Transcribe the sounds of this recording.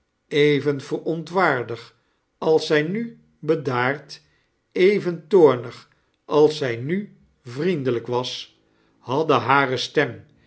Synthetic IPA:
ejvənv̥ərɔntʋaːɹdəχ | ɑlˠsɛjny | bədaːɹt | ejvəntoːɹnəχ | ʔɑlˠsɛjny | vrindələkʋɑs | hɑdəɦaːrəstɛm

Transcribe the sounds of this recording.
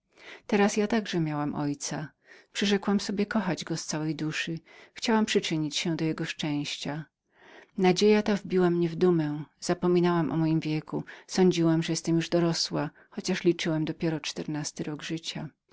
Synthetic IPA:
t̪ɛɾasjat̪aɡʐɛmʲjawamʔɔjt̪sa | pʂɨʐɛkwamsɔbʲjɛkɔxad͡ʑɡɔst̪sawɛjd̪uʂɘxt͡ɕawampʂɨt͡ʂɘɲit͡ɕɕɛ̃d̪ɔjɛɡɔʂt͡ʂɛ̃w̃ɕt͡ɕa | nad͡ʑejat̪avbʲiwamɲɛvd̪umɛ̃z̥apɔmʲinawamʔɔ̰mɔjimvʲjɛkusɔɲd͡ʑiwamʐɛjɛst̪ɛmjuʐd̪ɔɾɔswa | xɔt͡ɕaʂlʲit͡ʂɘwamd̪ɔpʲjɛɾɔt͡ʂt̪ɛɾnast̪ɘɾɔɡʐɘt͡ɕa

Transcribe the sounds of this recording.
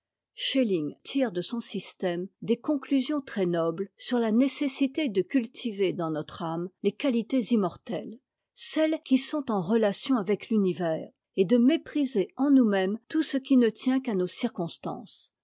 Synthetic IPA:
ʃeliŋt̪ʰiʁd̪əsɔ̃sist̪ɛmd̪ekɔ̃klyzjɔ̃t̪χɛnɔblsyʁlanesesit̪ed̪əkʲylt̪ʰived̪ɑ̃nɔt̪χamlekalit̪ezimɔʁt̪ɛl | sɛlkʲisɔ̃t̪ɑ̃ʁəlasjɔ̃avɛklynivɛːʁ | ed̪əmepχizeɑ̃numɛmt̪usəkʲinət̪jɛ̃kanosiʁkɔ̃st̪ɑ̰̃ːs

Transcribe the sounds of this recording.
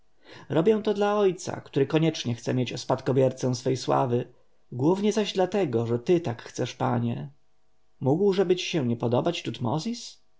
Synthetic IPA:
ɾɔbʲjɛ̃w̃t̪ɔd̪laɔjt̪sa̰kt̪uɾɘkɔɲɛt͡ʂɲɛxt̪sɛmʲjet͡ɕɔspat̪kɔbʲjɛɾt̪sɛ̃w̃sfɛjswa̰vɘ | ɡwuvɲɛzaʑd̪lat̪ɛɡɔʐɛt̪ɘt̪akxt̪sɛʂpaɲɛ | muɡwʐɛbɘt͡ɕi̥ɕɛ̃ɲɛpɔd̪ɔbat͡ɕt̪ut̪mɔ̰zʲis

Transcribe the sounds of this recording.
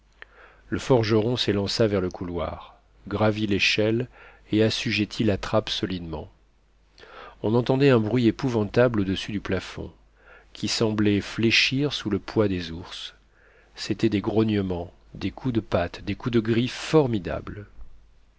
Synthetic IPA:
ləfɔʁʒəʁɔ̃selɑ̃savɛʁləkʰulwa̰ʁ | ɡʁavileʃɛl | easyʒɛt̪ʰilat̪χapsɔlid̪mɑ̰̃ | ɔ̃nɑ̃t̪ɑ̃d̪ɛɛ̃bʁɥiepuvɑ̃t̪ablod̪əsyd̪yplafɔ̰̃ | kʲisɑ̃blɛfleʃiʁsuləpwad̪ezuʁs | set̪ɛd̪eɡʁɔnjəmɑ̃ | d̪ekʰud̪əpat̪d̪ekud̪əɡʁiffɔʁmid̪a̰bl

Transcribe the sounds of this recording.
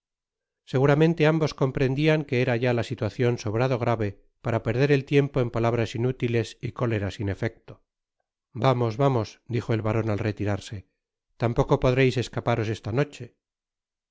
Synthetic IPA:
se̞ɣuɾamẽ̞nt̪e̞ambo̞sko̞mpɾe̞nd̪iaŋke̞eɾaʝalasit̪waθjo̞nso̞βɾaðo̞ɣɾaβe̞ | paɾape̞ɾð̞e̞ɾe̞lt̪je̞mpo̞empalaβ̞ɾasinut̪ile̞siko̞le̞ɾasine̞fe̞k̚t̪o | bamo̞zβamo̞sd̪ixo̞elβaɾo̞nalret̪iɾaɾse̞ | t̪ampo̞ko̞po̞ðɾejse̞skapaɾo̞se̞st̪ano̞t͡ʃe̞

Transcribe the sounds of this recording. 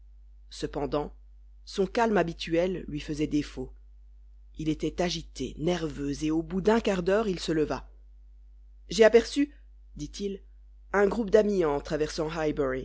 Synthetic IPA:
səpɑ̃d̪ɑ̃ | sɔ̃kalmabit̪ʰyɛlːɥifəzɛd̪efo | ilet̪ɛt̪aʒit̪ḛnɛʁvøzeobud̪ɛ̃kaʁd̪œʁilsələva | ʒeapɛʁsy | d̪it̪ʰil | ɛ̃ɡʁupd̪amiɑ̃t̪χavɛʁsɑ̃ɦajbɛʁi

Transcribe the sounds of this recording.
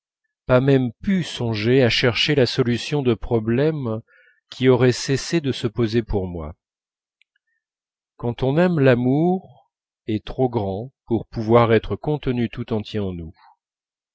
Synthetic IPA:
pamɛmpysɔ̃ʒeaʃɛʁʃelasɔlysjɔ̃d̪əpχɔblɛm | kʲʰiɔʁɛsesed̪əsəpozepuʁmwa̰ | kɑ̃t̪ɔ̃nɛmlamuʁ | ɛt̪χoɡʁɑ̃puʁpuvwaʁɛt̪χəkɔ̃t̪ənyt̪ut̪ɑ̃t̪jɛɑ̃nu

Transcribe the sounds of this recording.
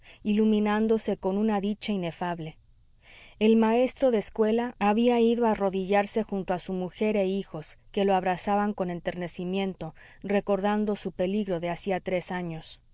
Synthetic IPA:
ilumĩnand̪o̞se̞ko̞nunaðit͡ʃaine̞faβle̞ | e̞lmae̞st̪ɾo̞ðeːskwe̞laʔːβiaiðo̞aro̞ðiʝaɾse̞xunt̪oasumuxe̞ɾeixo̞ske̞lo̞aβɾasaβaŋko̞ne̞nt̪e̞ɾne̞simjẽ̞nt̪o̞ | re̞ko̞ɾðand̪o̞supe̞liɣɾo̞ðeasiat̪ɾe̞saɲo̞s

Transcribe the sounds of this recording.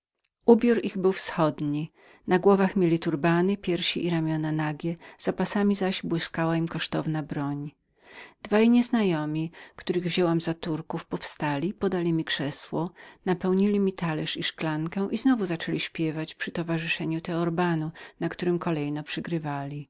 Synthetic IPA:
ʔubʲjuɾiɣbɘwfsxɔd̪ɲi | naɡwɔvaxmʲjelʲit̪uɾbanɘpʲjɛɾɕiʔiɾamʲjɔnanaɡʲjɛz̥apasamʲizaʑbwɘskawaimkɔʂt̪ɔvnabɾɔɲ | d̪̥vajɲɛznajɔmʲikt̪uɾɘɣvʑɛwamzat̪uɾkufpɔfst̪alʲipɔd̪alʲimʲikʂɛswɔnapɛwɲilʲimʲit̪alɛʂiʂklaŋkɛ̃ʔiznɔvuzat͡ʂɛlʲiɕpʲjɛvat͡ɕpʂɘt̪ɔvaʐɘʂɛɲut̪ɛɔɾbanunakt̪uɾɘmkɔlɛjnɔpʂɘɡɾɘvalʲi

